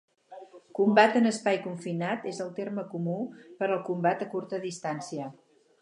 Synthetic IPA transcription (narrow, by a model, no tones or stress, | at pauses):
kumbat̪ənəspajkuɱfinat̪ezəlˠt̪erməkumupəɾəlˠkumbat̪əkuɾt̪əðist̪ansiə